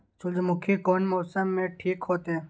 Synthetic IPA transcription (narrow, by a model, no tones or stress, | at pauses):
t͡ʃʊld͡ʒemʊkʰːikoːnmoːsəmːẽʈʰiːkɦoːt̪eː